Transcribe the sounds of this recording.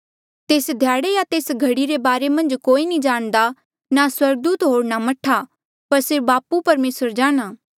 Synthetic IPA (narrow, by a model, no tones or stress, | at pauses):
t̪eːsd̪ʱjaːɽejat̪eːsɡʱɐɽiɾebaːɾemɐ̃nd͡ʒkoːinĩd͡ʒaːɽ̃d̪a | naswɐɾɡ̚d̪uːt̪ɦoːɽnamɐʈʰa | pɐɾsɪɾfbaːpupɐɾmeːsəɾd͡ʒaːɽ̃aː